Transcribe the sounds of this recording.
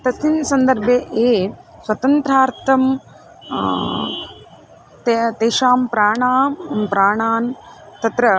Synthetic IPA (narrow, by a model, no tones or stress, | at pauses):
t̪ɐsinsɐnd̪ɐɾbʱjeʔeːswɐt̪ɐnt̪ɾaːɾt̪ʰɐm | t̪et̪eːʃaːmpɾaːɳaːmpɾaːɳaːn | t̪ɐt̪ɾɐ